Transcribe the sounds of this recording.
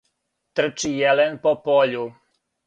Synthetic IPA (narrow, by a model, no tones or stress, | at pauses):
t̪r̩t͡ʃijɛlenpopoʎu